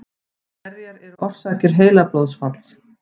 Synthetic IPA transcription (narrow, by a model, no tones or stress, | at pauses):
ɛɾjaɾɛɾɔr̥saːcɪɾ̥ɦeːjlaplowðsfat̪l̥s